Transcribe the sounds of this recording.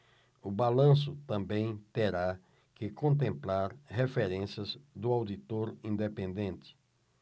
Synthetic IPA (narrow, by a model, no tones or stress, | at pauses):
ʊbalɐ̃s̬ʊt̪ɐ̃mbẽj̃t̪eɾa | kɪkõnt̪̬ẽmplaɾhefeɾẽsiɐzd̪ʊawd̪it̪oɾĩnd̪epẽnd̪ẽnt̪ɪ̥